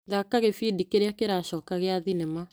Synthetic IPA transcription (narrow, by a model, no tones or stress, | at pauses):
ðakaɣefidikeɾeakeɾaɕɔːkaɣeaðinɛma